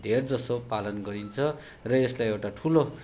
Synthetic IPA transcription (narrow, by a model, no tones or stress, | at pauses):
d̪ʱerd͡zʌsopalʌnɡʌɾint͡sʰʌ | rʌjeslajewʈaʈʰulo